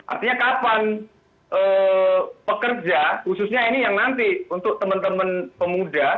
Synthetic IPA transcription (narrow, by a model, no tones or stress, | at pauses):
ʔa̰rt̪iɲakapan | ʔəː | pəkərd͡ʒahusʊsɲainijaŋnant̪iunt̪ʊk̚t̪əmənt̪əmənpəmuda